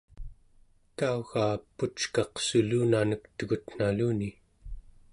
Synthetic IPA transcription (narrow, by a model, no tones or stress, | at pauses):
k̪auɣaːpːut͡ʃkɑqsuluːnanəkt̪əɣut̪n̥aluːni